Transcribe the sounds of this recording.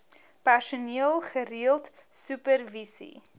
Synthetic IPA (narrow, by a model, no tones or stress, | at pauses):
pærsuniəlˠχəriəlˠtsʉpərvisḭ